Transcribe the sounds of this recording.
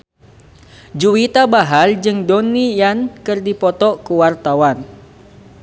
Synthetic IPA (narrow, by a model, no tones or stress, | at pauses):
d͡ʒuwit̪abaɦald͡ʒɨŋdonijankɨrdipɔt̪ɔkuwart̪awan